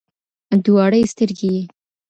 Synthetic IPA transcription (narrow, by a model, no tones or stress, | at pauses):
d̪uwɑɽəjst̪əɾɡije